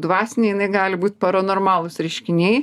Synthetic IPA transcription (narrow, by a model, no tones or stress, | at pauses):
d̪ʋɑːsʲɪnʲeɪjɪnɐɪɡɑːlʲɪbuːt̪ʲpɐɾonoːrmɑːlˠʊsɾʲɛɪʃʲkʲɪnʲɛɪ